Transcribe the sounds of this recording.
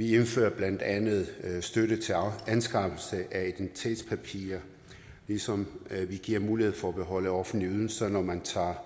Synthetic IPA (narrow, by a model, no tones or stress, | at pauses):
ʋienfø̰ːɐb̥læn̰d̥ænð̞̩ˠsd̥øɾət͡sʰe̝ænsɡ̥ʁɑ̈b̥l̩səʔæid̥en̥t͡sʰe̝̰ːd̥spʰæpʰḭːɐ | lisɒ̽mʋiɡ̥iɐ̰muːlihe̝ð̰ˠfɒ̽æb̥e̝ɦɒ̽ləɒ̽fn̩liyð̞ˠnsɐnɒmænt͡sʰɑ̰̈ː